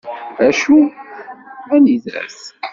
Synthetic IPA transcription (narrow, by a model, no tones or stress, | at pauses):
æʃu | ænizɾæ̰s